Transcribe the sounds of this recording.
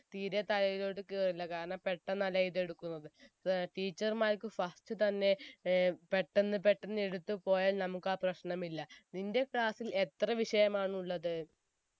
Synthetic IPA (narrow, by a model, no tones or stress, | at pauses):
t̪iːɾet̪ɐlɐjiðoɽɨkːiɐrilːɐkaːɾɐɳɐmpe̞ʈːɐnɐlɐjiðe̞ɽukːunːɐðɨʈiːt͡ɕːɐrmaːɾkːɨfɐsʈɨt̪ɐnːe̞ | pe̞ʈːenːɨpe̞ʈːenːe̞ɽut̪ːɨpo̞ːjaːlnɐmukːaːprɐɕɳɐmilːɐninde̞kɭaːsile̞t̪rɐʋiʂɐjɐmaːɳuɭːɐðɨ